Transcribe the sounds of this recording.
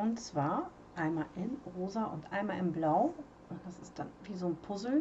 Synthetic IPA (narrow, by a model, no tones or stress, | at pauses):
ʔʊntt͡sv̥aːɐ | ʔaɪnmaːlʔɪnʁoːzaʔʊntʔa̰ɪnmaːlɪmblaʊ | ʊnd̥asɪstd̥anviːzoːnpʰʊzl̩